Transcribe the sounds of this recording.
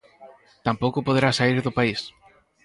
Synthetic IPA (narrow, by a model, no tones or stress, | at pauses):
t̪ampowkʊpoðeɾasaiɾðʊpais